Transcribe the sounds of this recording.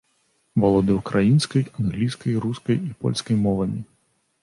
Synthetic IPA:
vɔlˠɔd̪ɨwkɾajinskɐjanɣlʲiskɐjɾuskɐjipɔ̰lʲskɐjmɔvɐmʲi

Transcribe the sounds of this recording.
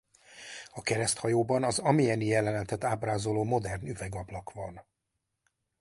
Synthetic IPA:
ɒkɛɾɛst̪hɒjoːbɒnɒzɒmijɛnijɛlɛnɛnt̪ɛt̪aːbraːzoloːmo̞d̪ɛrnyvɛɡɒblɒkvɒn

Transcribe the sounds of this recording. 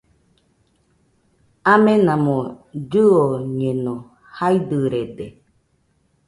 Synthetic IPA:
ãmẽnãmõɾɯoɲẽnõ | haid̪ɯɾed̪e

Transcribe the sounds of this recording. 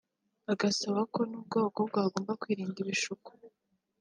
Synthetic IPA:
aɡasaβako̞nub̚ɡoːɡob̚ɡaːɡo̞ːmbakwiːɾiːndiβiʃuku̥

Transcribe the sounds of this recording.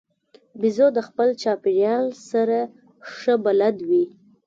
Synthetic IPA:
bizod̪əxpəlt͡ʃɑpiɾjɑnsaɾa | ʂəbalad̪wi

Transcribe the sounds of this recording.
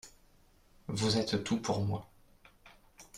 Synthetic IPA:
vuzɛt̪t̪upʰuʁmwa

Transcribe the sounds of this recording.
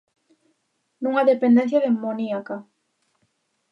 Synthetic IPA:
nũŋaðepend̪en̟θjaðemːoniaka

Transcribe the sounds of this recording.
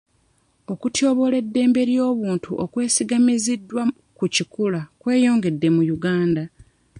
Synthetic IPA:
o̞kutjo̞ːβo̞le̞dːe̞ːmbe̞ɾjo̞ːβuːntuʔokwe̞ːsiɡamizidːwa | kucikulakwe̞ːjo̞ːŋɡe̞dːe̞mujuɡaːnda

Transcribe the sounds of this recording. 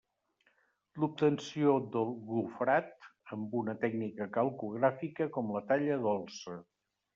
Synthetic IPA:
lup̚t̪ənsiod̪əlˠɣufɾat̪əmbunət̪ɛɡnikəkəlˠkuɣ̞ɾafikəkɔmlət̪aʎəðɔlˠsə

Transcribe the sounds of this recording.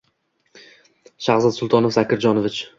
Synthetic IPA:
ʃaχzat̪sʊlˠt̪ʰɒnofzakʲʰɪɾd͡ʒɒnovɪt͡ʃ

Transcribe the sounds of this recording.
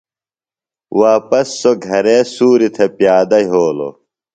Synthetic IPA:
waːpɐsːoɡʱɐɾeːsuːɾit̪ʰepjaːd̪ɐɦoːlo̰

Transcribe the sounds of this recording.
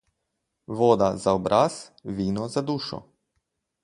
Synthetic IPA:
ʋoːd̪azaobɾʔas | ʋiːnɔzad̪uːʃɔ̰

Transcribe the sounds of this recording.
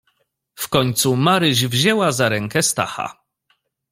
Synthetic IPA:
fkɔɲt̪sumaɾɘʑvʑɛwazaɾɛŋkɛst̪a̰xa̰

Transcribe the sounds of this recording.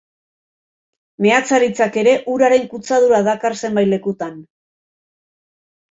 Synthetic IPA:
me̞at͡saɾit͡sake̞ɾe̞ʔuɾaɾe̞ŋkut͡sað̞uɾaðakarse̞mbajle̞kut̪an

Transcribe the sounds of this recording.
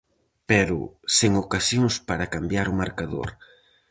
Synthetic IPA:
pɛɾʊ̰seŋokasjoŋspaɾakambjaɾʊmaɾkaðo̰ɾ

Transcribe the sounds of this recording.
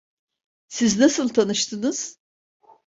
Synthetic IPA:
siznasɯlˠt̪ʰanɯʃt̪ʰɯnɯz̥

